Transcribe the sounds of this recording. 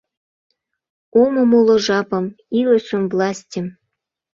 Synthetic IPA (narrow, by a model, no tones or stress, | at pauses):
omə̆molŏʒɑpɤ̆m | ilə̆ʃə̆mvlˠɑsʲtʲəm